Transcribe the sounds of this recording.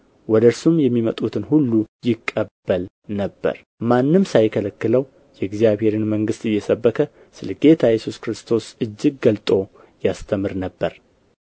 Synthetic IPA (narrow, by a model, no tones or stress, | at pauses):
wɔd̪əɾsumjɛmːimət̪ʼut̪ʰɨnhulːujɪkʼːəbːəl | nəbːə̰ɾ | manːɨmsajkʰələkːɨləw | jɛɪɡzijaβhe̞ɾɨnməŋɡɨst̪ɨjːɛsəbːəkʰə | sɨləɡe̞t̪ʰajɛsuskɨɾɨst̪ʰo̞sɨd͡ʒːɪɡ̚ːəlt̪ʼo̞ | jast̪ʰəmɨɾnəbːəɾ